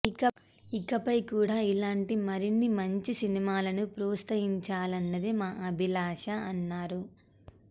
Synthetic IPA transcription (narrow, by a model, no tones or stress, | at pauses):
ikɐ | ikɐpɐjkuːɽaːilaːɳʈimɐɾinːimɐɲt͡ʃisinimaːlɐnupɾuːst̪ɐɦiɲt͡ʃaːlɐnːɐd̪imaːʔɐbʱilaːʂɐɐnːaːɾu